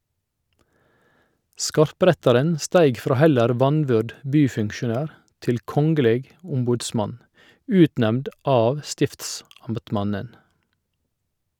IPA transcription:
ˈskɑɾˌpɾɛtɑɾən ˈstæɪɡ ˈfɾoː ˈhɛləɾ ˈʋɑnˌʋʏɖ ˈbyːfʉŋkʃʊˌnæːɾ ˈtɪl ˈkɔŋɡəˌleːɡ ˈʊmbuːdˌsmɑn ˈʉːtˌnɛmd ˈɑːʋ ˈstɪftsɑmbtˌmɑnən

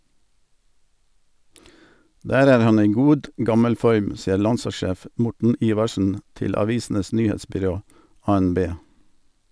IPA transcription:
ˈdæːɾ ˈæːɾ ˈhɑn ˈiː ˈɡuːd ˈɡɑməl ˈfɔɾm ˈsiːəɾ ˈlɑnsɑˌʃeːf ə ˈmʊʈɳ̩ ˈiːʋɑʃn̩ ˈtɪl ɑˈʋiːsn̩əs ˈnyːˌheːtsbʏˌɾoː ˌɑːɛnˈbeː

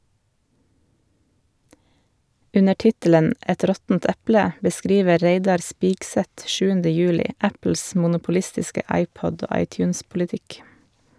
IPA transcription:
ˈʉnə ˈʈɪtələn ˈɛt ˈɾɔtn̩t ˈɛplə bəˈskɾiːʋə ˈɾeɪdɑɾ ˈspiːɡsɛt ˈʃʉːəndə ˈjʉːlɪ ˈæpl̩s mʊnʊpʊˈlɪstɪskə ˈʔɑɪˌpɔd ˈoː ˈʔɑɪˌtjʉːnspʊlɪˌtɪk

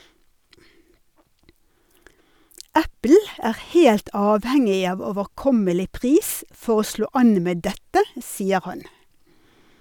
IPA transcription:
ˈæpl̩ ˈæːʁ ˈheːlt ˈɑːʋhɛŋɪ ˈɑːʋ oːʋəʁˈkɔməlɪ ˈpʁiːs ˈfɔʁ ˈoː ˈʃloː ˈɑn ˈmeː ˈdɛtə ˈsiːə ˈhɑn

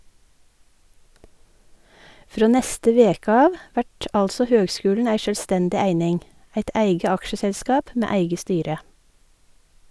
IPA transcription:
ˈfɾoː ˈnɛstə ˈʋeːk ˈɑːʋ ˈʋæʈ ˈɑlsɔ ˈhøːɡˌskʉːlɳ̩ ˈæɪ ˈʃøːlˌstɛndɪ ˈæɪnɪŋ ˈæɪt ˈæɪɡə ˈɑkʃəsɛlˌskɑːp ˈmeː ˈæɪɡə ˈstyːɾə

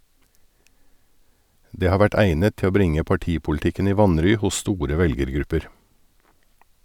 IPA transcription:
ˈdeː ˈhɑː ˈʋæʈ ˈæɪnət ˈtɪ ˈoː ˈbɾɪŋə pɑˈʈiːpʊlɪˌtɪkən ˈiː ˈʋɑnɾyː ˈhʊs ˈstuːɾə ˈʋɛlɡəɾˌɡɾʉpəɾ

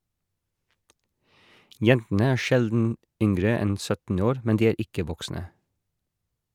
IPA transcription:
ˈjɛntn̩ə ˈæː ˈʃɛldn̩ ˈʏŋɡɹə ˈɛn ˈsœtn̩ ˈoːɾ ˈmɛn ˈdiː ˈeːɾ ˈɪkə ˈʋɔksnə

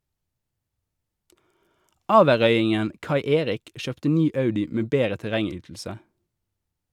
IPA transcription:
ˈɑːʋəʁœʏɪŋən ˈkɑɪ ˈeːʁɪk ˈʃøːptə ˈnyː ˈɑʉdɪ ˈmeː ˈbeːʁə tɛˈʁɛŋˌyːtl̩sə

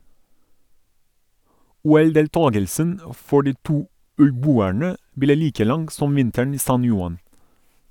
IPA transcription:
ˈuːɛldeːlˌtɑːɡəlsən ə ˈfɔ ˈɖiː ˈtuː ʉlˈbuːæɳə ˈbleː ˈliːkə ˈlɑŋɡ ˈsɔm ˈʋɪntəɳ ˈiː ˈsɑn ˈjʊɑn

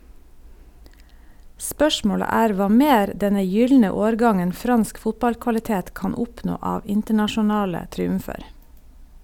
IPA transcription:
ˈspœʃmoːɽə ˈæːɾ ˈʋɑː ˈmeːɾ ˈdɛnə ˈjʏlnə ˈoːɾˌɡɑŋən ˈfɾɑnsk ˈfʊtbɑlkʋɑlɪˌteːt ˈkɑn ˈɔpnoː ˈɑːʋ ˈɪntəɳɑʃʊˌnɑːlə tɾiːʉmˈfeːɾ

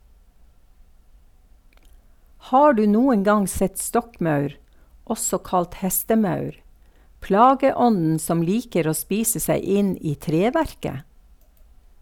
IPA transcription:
ˈhɑː ˈɖʉː ˈnuːən ˈɡɑŋ ˈsɛt ˈstɔkˌmœʉɾ ˈʔɔsɔ ˈkɑlt ˈhɛstəˌmœʉɾ ˈplɑːɡəˌɔnn̩ ˈsɔm ˈliːkəɾ ˈoː ˈspiːsə ˈseɪ ˈɪn ˈiː ˈtɾeːˌʋæɾkə

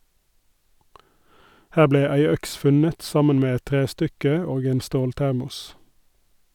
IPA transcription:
ˈhæː ˈbleː ˈæɪ ˈœks ˈfʉnət ˈsɑmən ˈmeː ˈɛt ˈtʁeːˌstʏkə ˈoːɡ ˈeːn ˈstoːlˌtæʁmʊs

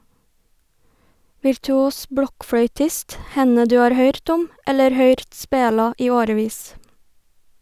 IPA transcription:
ʋɪɾtʉˈuːs ˈbɽɔkfɽœʏˌtɪst ˈhɛnə ˈdʉː ˈɑːɾ ˈhœʏɾt ˈʊm ˈɛləɾ ˈhœʏɾt ˈspeːlɑ ˈiː ˈoːɾəˌʋiːs

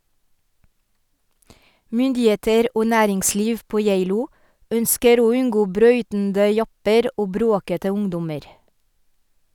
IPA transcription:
ˈmʏndɪˌeːtəɾ ˈoː ˈnæːɾɪŋˌsliːʋ ˈpoː ˈjæɪluː ˈœnskəɾ ˈoː ˈʉnɡoː ˈbɾœʏtndə ˈjɑpəɾ ˈʔoː ˈbɾoːkətə ˈʊŋdʊməɾ

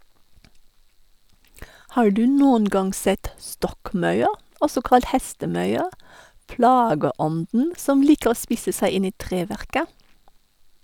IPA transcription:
ˈhɑː ˈɖʉː ˈnoːən ˈɡɑŋ ˈsɛt ˈstɔkˌmɑʉə ˈɔsɔ ˈkɑlt ˈhɛstəˌmœʏə ˈplɑːɡəˌɔndn̩ ˈsɔm ˈliːkə ˈoː ˈspɪsə ˈsæɪ ˈɪn ˈiː ˈtʁeːˌʋæʁkə

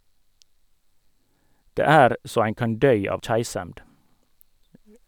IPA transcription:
ˈdeː ˈæɾ ˈsoː ˈæɪn ˈkɑn ˈdœʏ ˈɑːʋ ˈçæɪsɛmd

